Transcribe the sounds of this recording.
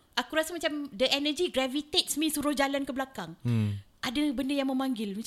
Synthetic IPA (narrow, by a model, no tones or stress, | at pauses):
ʔakuɾasamat͡ʃamdəʔɛnəd͡ʒiɡɾavit̪et̪̚smĩsuɾʊhd͡ʒalankəblakaŋʔadabəndəjaŋmə̃mãŋɡɪlmãt͡ʃ